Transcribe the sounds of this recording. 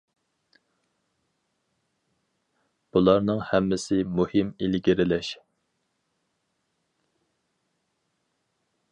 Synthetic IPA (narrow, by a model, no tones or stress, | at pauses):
b̥ulˠɑɾnɨŋhɛmːɪsɪmuhɪmilɡʲiɾɪlɛʃ